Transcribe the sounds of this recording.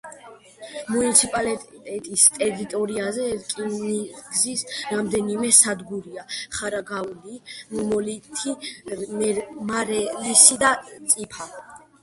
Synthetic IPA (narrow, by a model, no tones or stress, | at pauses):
munit̪sʰipʼalit̪ʼɛt̪ʼist̪ʼɛɾit̪ʼɔɾiazɛɾkʼinniɡzisɾamd̪ɛnimɛsad̪ɡuɾiaχaɾaɡaulimumɔlit̪ʰimɛmaɾɛlisid̪at̪sʼipʰa